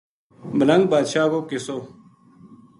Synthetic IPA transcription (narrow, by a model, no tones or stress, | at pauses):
bələ̃ŋɡ̚baːd̪ʃaːkoːkɪsoː